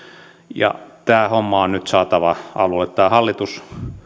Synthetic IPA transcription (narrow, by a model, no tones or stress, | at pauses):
jɑ̰t̪æːhomːɑonnyt̪sɑːt̪ɑʋɑʔɑlulːet̪t̪æːhɑlːit̪us